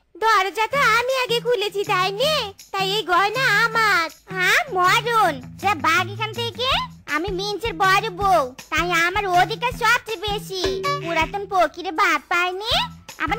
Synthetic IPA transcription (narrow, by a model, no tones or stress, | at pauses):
d̪ɔɾd͡ʒat̪ɔamiaɡekʰulet͡ɕʰit̪ajnet̪ajejɡɔjnaamaɾɦãmɔɾund͡ʒabaɡikʰant̪ʰekea̰mimint͡ʃʰeɾbɔɾobowt̪ajamaɾod̪ʱikaɾsɔb̚t͡ʃebeʃipuɾat̪onpokiɾebad̪̚pajnia̰maɾ